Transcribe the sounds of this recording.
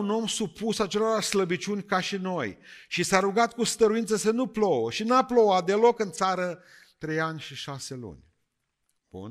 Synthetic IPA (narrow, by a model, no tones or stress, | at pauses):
uno̞msupusat͡ʃe̞lo̞ɾasləbit͡ʃunʲkaʃino̞jʃisaɾuɡat̪̚kust̪əɾuint̪səsənuplowəʃinaplo̞wat̪̚d̪e̞lo̞kɨnt̪saɾə | t̪ɾe̞janʲʃiʃase̞lṵnʲ | b̥ṵn